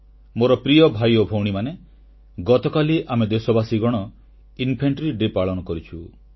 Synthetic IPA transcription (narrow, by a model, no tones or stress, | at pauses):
moɾɔpɾijɔbʱajobʱowɽ̃imane | ɡɔt̪ɔkaliʔamed̪esɔbasiɡɔɽ̃ɔ | inpʰeɳʈɾiɖɾipaɭɔnɔkɔɾit͡ʃʰu